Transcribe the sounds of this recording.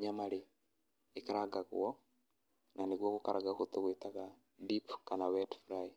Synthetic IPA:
ɲamaɾeː | kaɾaɡaɣw̰ɔ | nanekwɔkokaɾʔaɡakotoɣwetaɣa | bipkanawɛdfɾaj

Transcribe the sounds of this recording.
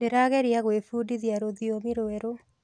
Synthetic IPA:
eɾaɣɛɾjaɣwefuːdiðjaɾoðiomiɾoɛɾo

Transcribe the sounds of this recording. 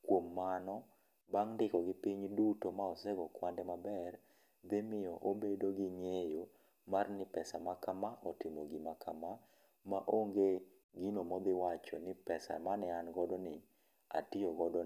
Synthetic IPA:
kwomːanɔ | baŋndɪkɔɡɪpiɲdutomaɔsɛɡɔkwandɛmabɛr | d̪ɪmɪjɔʔobedoɡɪɲejo | marnɪpɛsamakamaʔɔtɪmoɡimakama | maʔoŋɡe | ɡinomɔd̪ɪwat͡ʃɔnɪpɛsa̰manɛanɡɔdɔnɪ | a̰tioɡɔdɔ

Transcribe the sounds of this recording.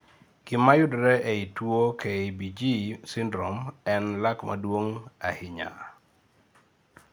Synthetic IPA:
kɪmajʊdɾɛʔeitwokɛibid͡ʒisindɾɔmɛnlakma̰dwoŋa̰hɪɲa̰

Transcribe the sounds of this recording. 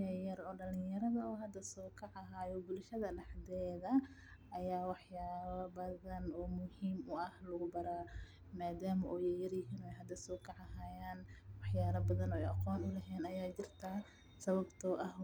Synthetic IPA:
jɐjɐɾɔːɖɐlɪ̃jɐɾɐðɐɔːɦɐd̪ɐsɔːkʰɑʕɑɦaːjɔbʊlʃɐðɐɖɑħd̪ɛːðɐʔɐjaːwɑħjaːβɐbɐðɐnɔːmʊhiːmʊɐhlɐɣʊbɐɾaː | maːd̪aːmɐʔɔːjɛjɐrjɪɦiːnɔːɛjɦɐd̪ɐsɔːkʰɑʕɑɦaːjaːnwɑħjaːlɐbɐðɐnɔːɛjɑqɔːnʊlɛɦɛːnɐjaːt͡ʃɪrt̪ʰaː | sɐβɐbt̪ʰɔːʔɐɦ

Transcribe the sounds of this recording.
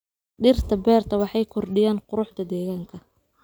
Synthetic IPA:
ɖɪrt̪ʰɐbɛːrt̪ʰɐwɑħɑjkʰɔrɖɪjaːnqʊɾʊħd̪ɐd̪ɛːɣaːŋkʰɐ

